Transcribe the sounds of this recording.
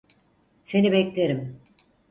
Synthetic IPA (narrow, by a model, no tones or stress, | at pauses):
se̞nibɛclʲeɾim